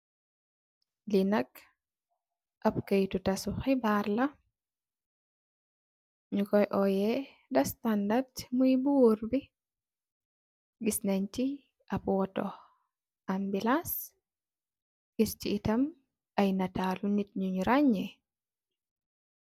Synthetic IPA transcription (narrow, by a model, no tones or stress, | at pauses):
linɐk | ʔɐp̚kɐjtutɐsuxibaɾlɐ | ɲukɔjʔɔjɛ | dɐstandartmujbuɾbi | ɡisnɐɲti | ɐpwɔtɔ | ambilas | iɾt͡ʃiːtɐm | ɐjnɐtaːlunit̚ɲuɲuɾaɲɛ